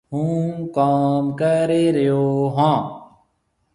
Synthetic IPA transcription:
hũːkaːmkəɾeːɾəjoːɦãː

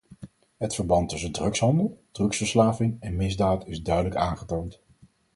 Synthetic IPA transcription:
ɦətfəɹbɑntɵsədrɵksɦɑndəlˠd̥rɵksfəɹslaːvɪŋɛnmɪzdaːtɪzdœɥdələkaːnχətownt

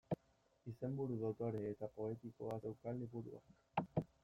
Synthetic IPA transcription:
ise̞mbuɾuðot̪oɾeːt̪apo̞e̞t̪ikoase̞wkald̪ipuɾua̰k

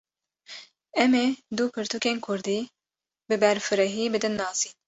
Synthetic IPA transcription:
ɛmeːd̪upʰɨɾt̪ʰukeːnkʰʊɾd̪iː | bɨbɛɾfɨɾɛɦiːbɨd̪ɨnːɑːsiːn

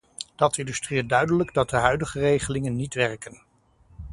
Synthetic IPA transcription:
d̥ɑtɪndystridœɥdələɡdɑt̚dəɦœɥdəχərejχəlɪŋənːitʋɛrkən

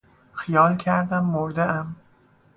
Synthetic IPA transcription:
xijɒːlcʰæɾd̪æmːoɾd̪eʔæm

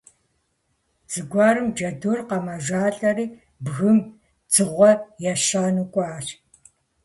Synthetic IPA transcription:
d͡zɨɡʷɑːɾɨmd͡ʒɐdurqɐmɐʒʷaːɬʼɐɾiː | bɣɨm | d͡zɨʁʷɔjaʃaːnukʷʼɔaːɕ

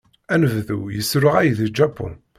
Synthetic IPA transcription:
ænəvðujəsɾʊʁæjðid͡ʒːapːʊ̰n

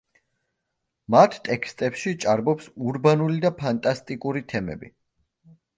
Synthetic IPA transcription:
mat̪ʰt̪ʼɛkʰst̪ʼɛpʃit͡ʃʼaɾbɔpsuɾbanulid̪apʰant̪ʼast̪ʼikʼuɾit̪ʰɛmɛ̰bḭ

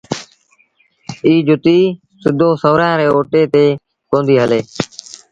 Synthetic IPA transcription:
iːd͡ʒʊt̪iː | sɪd̪ʱoːsəʋɾãːɾeːoːʈeːt̪eː | kõːnd̪iːɦəleː

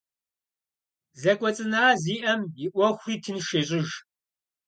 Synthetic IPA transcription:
zɐkʷʼɔt͡sʼɨnaːziːʔɐmjɪʔʷɔxʷriːtʰɨnʃeːɕʼɪʒ

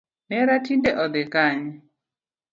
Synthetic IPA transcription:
nɛɾatindɛʔɔd̪ɛkaɲɛ

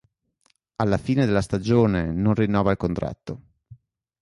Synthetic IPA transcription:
alːafiːned̪elːast̪ad͡ʒoːnenonrinːɔːvailkont̪ɾa̰t̪ːo

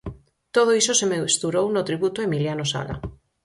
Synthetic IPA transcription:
t̪oð̞oisosemest̪uɾownʊt̪ɾiβut̪oemiljanosa̰ɣa̰

